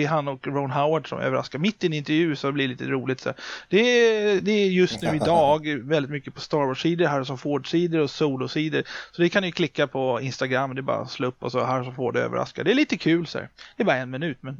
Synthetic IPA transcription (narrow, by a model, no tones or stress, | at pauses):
ɦanːɔkɾɔʊnɦaʊwaɖʂɔ̰mʔø̰ːvəɾa̰skaɾmɪt̪ːɪɛnɪnt̪ɛɾjʉ̟ːsɔɛblɪɭliːt̪əɾuːlɪt̪sæ̰d̪̥ɛd̪ɛjɵst̪nʉ̟ːɪd̪ɑːɡvɛlɪt̪mʏkːəpʰɔst̪ɑːɾwɔʂiːd̪əɾɦaɾsɔmfoːɖʂiːd̪əɾɔsuːlʊsiːd̪əɾsɔd̪ɛkʰand̪ɪjɵkʰlɪkːapʰɔɪnst̪aɡɾamːd̪ɛbɑ̰ːɾa̰sloːɵpːɔsɔɦæɾsɔmfoːɖø̰ːvə̰ɾʔa̰skad̪ɛɛɭiːt̪əkʰʉ̟ːlsæ̰ɾd̪̥ɛːbɑːɾaɛnmɪnʉ̟ːt̪mɛn